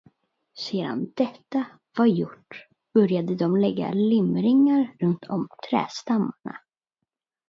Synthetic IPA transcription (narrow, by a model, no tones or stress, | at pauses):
seːd̪a̰nd̪ɛt̪ːa | v̥aɾjʊʈː | b̥œɾjad̪əd̪ɔmlɛɡːa̰lɪmɾɪŋːaɾːɵnt̪ʰɔ̰mt̪ʰɾɛ̰ːst̪amːaɳa̰